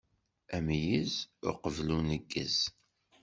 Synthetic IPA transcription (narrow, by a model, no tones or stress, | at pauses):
æmjəzʊ̰qəvlunəɡːə̰z̥